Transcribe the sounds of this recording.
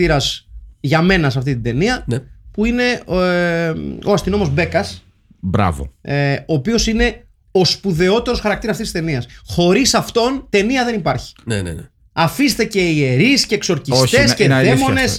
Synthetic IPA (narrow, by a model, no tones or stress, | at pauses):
iɾɐsʝɐme̞nɐs̬ɐft̪it̪id̪e̞niɐnpuine̞ | oɐst̪ino̞mo̞zbe̞kɐs | bɾɐ̰vo̰eo̞ːpio̞sine̞ | o̞spuðe̞o̞t̪e̞ɾo̞sxɐɾɐk̚t̪iɾɐsɐft̪isist̪niɐsxo̞ɾisɐft̪o̞nt̪e̞niɐðe̞nipɐɾçi̥nenḛn | ɐfist̪e̞ce̞ie̞ɾisce̞ːkso̞ɾcisç̪e̞sceðemo̞nes